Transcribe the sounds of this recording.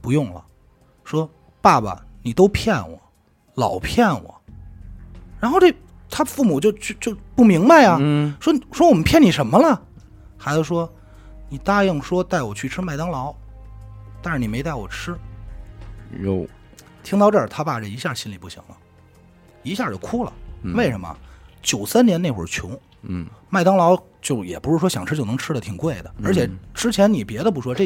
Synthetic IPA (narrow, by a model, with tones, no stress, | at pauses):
pu˧˥jʊ˥˩ŋlə̰˩ | ʂwɔ˥ | pa˥˩bɐ̰˩ni˨˩t̪o˥ʊpʰjɛ˥˩nwɔ̰˨˩˦ | lɑ̰˨˩ʊpʰjɛ˥˩nwɔ̰˨˩˦ | ɻa˧˥nxo˥˧ʊʈ͡ʂe˥˧˩ | t̪ʰa˥fu˥˩mu˨˩t͡ɕjo˥˧ʊt͡ɕʰy˥˧t͡ɕjo˥˧ʊpu˥˩mi˧˥ŋba˥˧ɪɐ˩ʂwɔ˥ʂwɔ˥wɔ˨mə˦npʰjɛ˥˩ni˨˩ʂə˧˥nmə˧lə˧ | xa˧˥ɪt͡s̩˧˩ʂwɔ˥ | ni˨˩t̪a˥ji˥˩ŋʂwɔ˥t̪a˥˩ɪwɔ˨˩t͡ɕʰy˥˩ʈ͡ʂʰɻ̩˥ma˥˩ɪt̪ɑ˥ŋlɑ˧˥ʊ | t̪a˥˧nʂɻ̩˥˩ni˨˩me˧˥ɪt̪a˥˩ɪwɔ˨˩ʈ͡ʂʰɻ̩˥ | jo̰˧˩ʊ | t̪ʰi˥ŋt̪ɑ˥˧ʊʈ͡ʂə˞˥˩t̪ʰa˥pa˥˩ʈ͡ʂə˥˩i˧˥ɕja˥˩ɕi˥nli˨˩pu˥˩ɕḭ˧˥ŋlə̰˦ | i˧˥ɕja˥˩t͡ɕo˥˩kʰu˥lə̰˨we˥˩ɪʂə˧˥mə̰˧t͡ɕjo˨˩ʊsa˥nnjɛ˧˥ne˥˩ɪxwə̰˧˩t͡ɕʰjʊ̰˧˥ŋ | ma˥˩ɪt̪ɑ˥ŋlɑ˧˥ʊ | t͡ɕjo˥˩ʊjɛ̰˨˩pu˧˥ʂɻ̩˥˩ʂwɔ˥ɕjɑ˨˩ŋʈ͡ʂʰɻ̩˥t͡ɕo˥˩ʊn˧˥ŋʈ͡ʂʰɻ̩˥d̪ə˨t̪ʰi˨˩ŋkwe˥˩ɪd̪ə˩ə˞˧˥t͡ɕʰjɛ˨˩ʈ͡ʂɻ̩˥t͡ɕʰjɛ˧˥nni˨˩pjɛ˧˥ɾə˧p̬u˥˩ʂwɔ˥ʈ͡ʂ